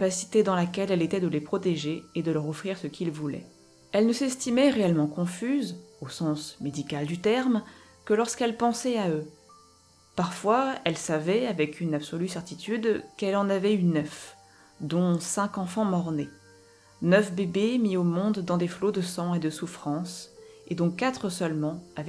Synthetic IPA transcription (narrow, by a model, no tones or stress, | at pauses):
pasi̥t̪ed̪ɑ̃lakʲɛlɛlet̪ɛd̪əlepχɔt̪eʒeːd̪əlœʁɔfχiʁsəkʰilvulɛ̰ | ɛlnəsɛst̪imɛʁeɛlmɑ̃kɔ̃fyzosɑ̃smed̪ikald̪yt̪ɛʁm | kəlɔʁskɛlpɑ̃sɛaø | paʁfwaɛlsavɛavɛkynabsɔlysɛʁt̪it̪yd̪kɛlɑ̃navɛynœf | d̪ɔ̃sɛ̃kɑ̃fɑ̃mɔʁne | nœfbebemiomɔ̃d̪ːɑ̃d̪eflod̪əsɑ̃ed̪əsufχɑ̃sed̪ɔ̃kat̪χəsœlmɑ̃avɛ